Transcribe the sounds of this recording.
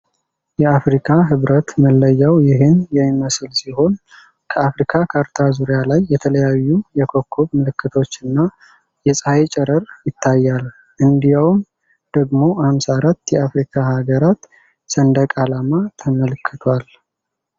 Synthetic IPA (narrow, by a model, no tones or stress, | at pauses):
jɛafɾikʰaɦɨβɾət̪məlːəjːawjɪɦenjɛɪməsɨlsiɦo̞n | kʰəafɾikʰakʰaɾt̪ʰazuɾijalajːɛt̪ʰələjajːujɛkʰokʰːoβmɨlɨkːɨt̪ʰo̞t͡ʃːɨnːa | jɛsʼajet͡ʃʼɛɾəɾjɪt̪ʰːajːal | ʔɨnd̪ijawm | d̪̥əɡmo̞hamsaɾat̪ːjɛafɾikʰahaɡəɾat̪ | sənd̪əkʼalamat̪ʰəməlɨkʰːɨt̪ʰwal